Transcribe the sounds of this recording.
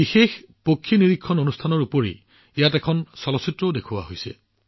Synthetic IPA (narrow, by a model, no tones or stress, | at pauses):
bixex | pokʰːiniɹikʰːɔnonustʰanɔɹupoɹḭ | ijatɛkʰɔnsɔlɔsitɹoʊdekʰuwa̰ɦojsɛ̰